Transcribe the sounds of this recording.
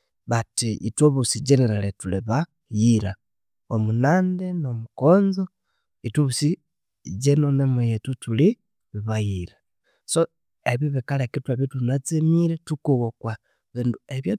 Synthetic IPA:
βatiʔḭtoβusiɟeneɾaletuliβa | jiɾa | omunaːndenomukoːnzo | ituβusi | d͡ʒenonemejetutuli | βiβajiɾa | so | eβjoβikalekituaβjotunat͡semiɾetukuɣokwa | βiːndueβja

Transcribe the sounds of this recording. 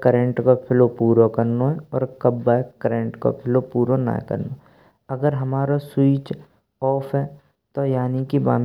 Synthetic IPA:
kəɾẽɳʈkopʰɪlopuːɾokɐɾnoɦɛɔ̰ːɾkɐbːaekəɾẽɳʈko̰pʰɪlopuːɾona̰kɐ̰ɾno | ɐɡəɾɦɐmaːɾaswiːt͡ʃ | ɔːfɦɛ | t̪ojaːnikiba̰ːm

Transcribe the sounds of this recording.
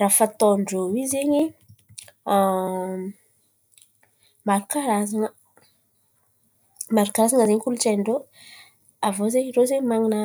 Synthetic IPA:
raːfat̪oɳɖ͡ʐowizeɲi | maɾukaɾazaŋə | maɾukaɾazaŋəzeɲkulut͡ʃaɳɖ͡ʐo | avozeɲrozeɲmaŋinə

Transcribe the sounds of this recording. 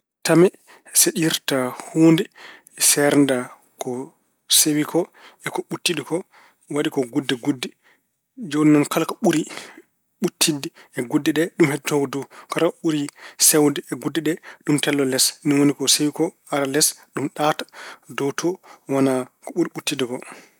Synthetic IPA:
tamɛ | sɛɗiɾtahundɛ | sɛɾnda | kɔ | sewikʰɔɛkɔɓutːiɗikɔ | waɗikɔɡudːɛɡudːɛ | d͡ʒoninɔnkalkɔɓuɾi | ɓutʰːidɛɛɡudːɛɗɛɗumhɛdtɔɡɔdɔkalkɔɓuɾisɛwdɛɛɡudːɛɗɛɗumtɛlːɔlɛsnɔwonikɔsewikɔ | aɾalɛsɗumɗatḁdɔtʰɔwanakɔɓuɾiɓutːidɛkɔ

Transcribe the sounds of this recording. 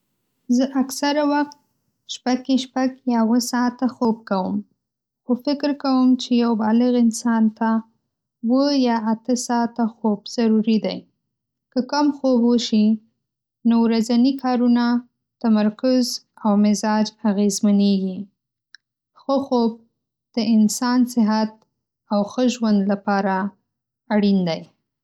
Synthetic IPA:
zəʔaksaɾawaxt̪̚ | ʃpaɡeʃpaɡjɑwəsɑt̪axob̚kawəm | xofɪkɪɾkawəmt͡ʃejawbɑlɪɣɪnsɑnt̪a | wəjɑʔat̪əsɑt̪axobz̥aɾuɾid̪aj | kəkamxobwəʃi | nowɾazanikʰɑɾuna | t̪amaɾkʊzawmɪzɑd͡ʒaɣezmaneɡi | xəxob̚ | d̪̥əɪnsɑnsɪɦat̪̚ | awxəʒwand̪lapɑɾaː | ɽind̪aj

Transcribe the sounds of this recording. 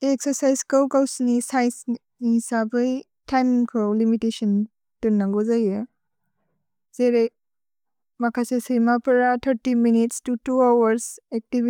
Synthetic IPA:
eksɔɾsajzkawkawsnisajs | niisabɯj | tʰenkʰɾolimitesɔn | tuɾnːaɡɔzaja | zeɾej | makʰasesijmapɾatʰaɾtiminitstutuawaɾsek̚tib

